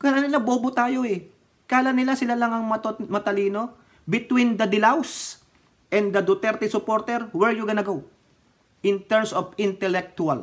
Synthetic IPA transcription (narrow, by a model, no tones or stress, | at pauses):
kalanɪlaboːbot̪aːjo̞ɛ | kaːlɐnːɪlasɪlalɐŋɐŋmɐt̪omɐt̪ɐliːno̞ | bɪt̪wind̪ɐd̪ɪlaws | ʔɛnd̪ɐd̪ot̪ɛɾt̪ɪsʊpo̞ɾt̪ɛɾwɛɹjʊɡɐnɐɡow | ʔɪ̃nt̪ɛɹmsofɪ̃nt̪ɛlɛk̚t̪ual